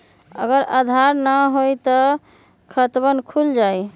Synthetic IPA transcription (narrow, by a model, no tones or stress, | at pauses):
ə̰ɡəɾəd̪ʱaɾnəɦojt̪ɔ | kʰət̪bənkʰuld͡ʒaj